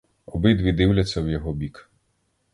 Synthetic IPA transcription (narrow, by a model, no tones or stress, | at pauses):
ɔbɪd̪ʋʲid̪ɪwlʲɐt͡sʲːɐwjɔɦɔbʲik